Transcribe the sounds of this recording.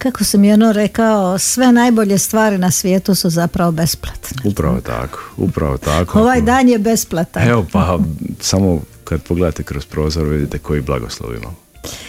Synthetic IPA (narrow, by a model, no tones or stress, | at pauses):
kakosamionoɾekaosʋe̞najbo̞ʎest̪ʋaːɾinasʋjeːt̪usuzapɾaʋobe̞splˠat̪neupɾa̰ʋot̪ʰa̰ko̥ṵpɾa̰ʋot̪akoo̞ʋaːjd̪aːnjebe̞splˠat̪aeʋopasamo | kad̪poɡle̞d̪aːt̪ekɾospɾoːzoɾʋid̪it̪ekojiblˠa̰ɡo̰slˠo̰ʋḭma̰m